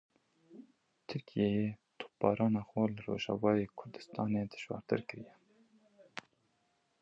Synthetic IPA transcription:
t̪ʰɨɾkijejet̪ʰo̥p̚b̥ɑːɾɑːnɑːxwɛlɨro̰ːʒɑ̰ːvɑːjeːkʰʊɾd̪ɨ̥st̪ɑːned̪ɨ̥ʃwɑ̰ːɾt̪ɨ̰ɾkɨɾijɛ

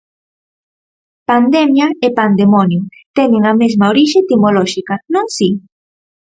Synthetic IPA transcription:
pand̪emjaepand̪emonjot̪enẽŋɐmezmaoɾiʃet̪imoloʃikɐnõŋsi

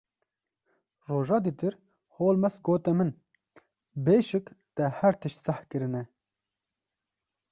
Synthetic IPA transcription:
roːʒɑːd̪it̪ɨɾ | hoːlmɛsɡoːt̪ɛmɨn | beːʃɪkt̪ɛhɛɾt̪ʰɨʃt̪sɛhkɨɾɨnɛ

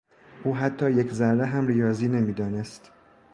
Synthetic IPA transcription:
ʔuːɦæt̪ʰːɒːjekʰzæɾːeɦæmrijɒːziːne̞miːd̪ɒːnest̪

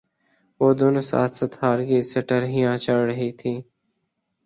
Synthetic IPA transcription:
ʋoːd̪oːnoːsa̰ːt̪sət̪haːɾkiːsəʈəɾɦɪjãːt͡ʃəɽɾəɦiːt̪ʰiː

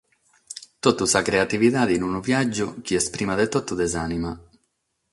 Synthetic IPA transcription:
t̪ɔt̪ːusakɾeat̪iviðaːðinunuvjad͡ʒːuk̟iɛspɾimaðet̪ɔt̪ːud̪ɛzanima

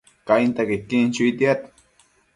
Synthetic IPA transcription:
kajnt̪akɪkːint͡ʃʊit̪jat̪

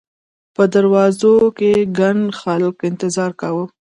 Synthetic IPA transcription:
pəd̪aɾwɑzokeɡaɳxalkɪnt̪ɪzɑɾkawə

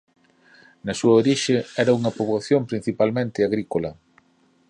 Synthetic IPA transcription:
nɐsuɐoɾiʃɪɛɾɐuŋɐpoβoθjompɾin̟θipalmẽnt̪ɪaɣɾikolɐ

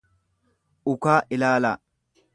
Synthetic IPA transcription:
ʊkaːʔɪlaːla

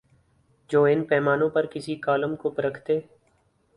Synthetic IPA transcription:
d͡ʒoːɪnpɛːmaːnõpɐɾkɪsikaːləmkopəɾəkʰt̪eː

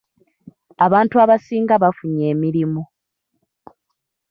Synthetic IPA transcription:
aβaːntuaβasiːŋɡaβafuɲe̞ːmiɾimu

